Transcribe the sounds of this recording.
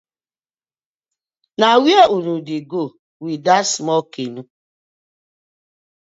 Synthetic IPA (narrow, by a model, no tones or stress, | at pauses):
nawjeʔunudiɡo | widasmɔkinu